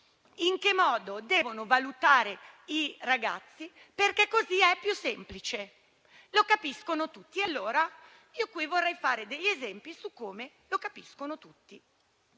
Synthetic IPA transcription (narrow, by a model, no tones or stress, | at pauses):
iŋkemːɔːd̪od̪ɛːvonovalut̪aːɾeiɾaɡa̰t̪sːi | perkekːoziɛpːjusːɛmplit͡ʃe | lokapiskonot̪ut̪ːialːoːɾa | iːokwivorːɛjfaːɾed̪eʎːezɛmpisukːoːme | lokapiskonot̪ut̪ːi